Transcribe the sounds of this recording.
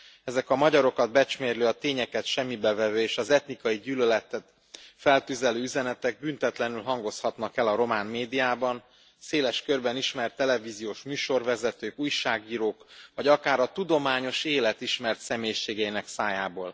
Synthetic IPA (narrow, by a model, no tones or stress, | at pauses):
ɛzɛkɒmɒɟɒɾo̞kɒd̪̚bɛt͡ʃmeːrløːɒt̪eːɲɛkɛt̪ʃɛmːibɛvɛvøːeːʃɒzɛt̪nikɒjiɟyːlølɛt̪ɛt̪ | fɛlt̪yzɛløːyzɛnɛt̪ɛɡ̚bynt̪ɛt̪lɛnylɦɒŋɡo̞shɒt̪nɒkɛlɒɾo̞maːnmeːd̪ijaːbɒn | seːlɛʃkørbɛniʃmɛrt̪ːɛlɛviːzijoːʃmyːʃo̞rvɛzɛt̪øːkuːjʃaːɡiːɾoːkvɒɟɒkaːɾɒt̪ud̪o̞maːɲo̞ʃeːlɛt̪iʃmɛrt̪sɛmeːjʃeːɡɛinɛksaːjaːboːl